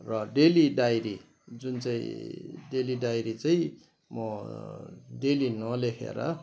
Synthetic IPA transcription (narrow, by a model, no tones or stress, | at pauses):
rʌɖeliɖajɾḭ | d͡zunt͡saĩɖeliɖajɾit͡saĩ | mʌ | ɖelinʌlekʰḛɾʌ̰